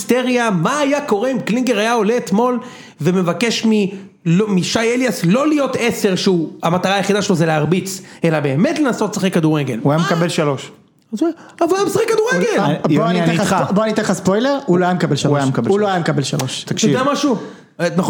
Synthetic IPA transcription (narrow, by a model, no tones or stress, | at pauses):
st̪eʁjamaːjako̞ʁeimkliŋɡeʁajao̞leːt̪mo̞l | veme̞vake̞ʃmi | lomiʃajeljaslo̞lijo̞t̪ese̞ʁʃeuamat̪aʁaːjeχid̪aʃelozeleaʁbit͡se̞labe̞ːme̞tle̞nasot̪saχekːad̪uʁeɡeluajamekabe̞lʃalo̞ʃ | az | avaajamisaχikːad̪uʁeɡelboaniaeaaboanit̪easpojleʁuoajamekabelʃauajamekabeuloajamekabelʃaloʃt̪akʃt̪odeamaʃu | na